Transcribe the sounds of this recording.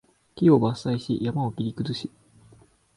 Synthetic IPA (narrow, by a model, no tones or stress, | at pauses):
kʲio̞basaiɕḭjamao̞kʲiɾʲikɯt͡sɨɕi